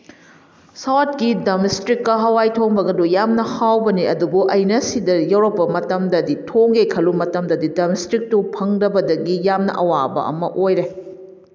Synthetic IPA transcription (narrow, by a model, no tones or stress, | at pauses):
sawt̚kidɐmistɾikːɐɦɐwajtʰoŋbɐɡɐdujamnɐhawbɐniɐdubuʔɐjnɐsidɐjɐwɾɐpːɐmɐtɐmdɐditʰoŋɡekʰɐlumɐtɐmdɐdidɐmistɾik̚tupʰɐŋdɐbɐdɐɡijamnɐ̰ʔɐwabɐ̰ʔɐ̰mɐ̰ʔojɾe